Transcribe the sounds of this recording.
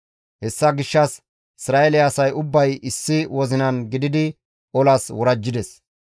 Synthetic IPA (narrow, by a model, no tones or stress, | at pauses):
hɛsːɐɡɪʃːɐs | ɪsɾaːelɪːsɐjʊbːɐjʔɪsːɪwɔzɪnɐnɡɪd̪ɪd̪ɪ | ɔlɐswɔɾɐd͡ʒːɪd̪ɛs